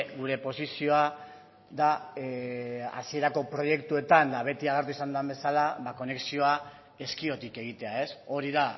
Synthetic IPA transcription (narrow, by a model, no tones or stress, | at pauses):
ɡuɾe̞po̞sisio̞a | ða | a̰sie̞ɾako̞pɾo̞je̞kt̪ue̞t̪and̪aβ̞e̞t̪iaɣ̞e̞ɾt̪uisand̪ambe̞salaβako̞ne̞ksio̞a | e̞skio̞t̪ike̞ɣ̞it̪e̞ae̞so̞ɾiða